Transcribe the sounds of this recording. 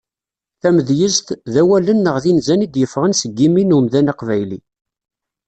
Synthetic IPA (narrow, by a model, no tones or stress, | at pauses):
θæməðjəzt̪ðæwælənːəʁðinzænid̪jəfʁənsəɡːiminumðænɑqvæjli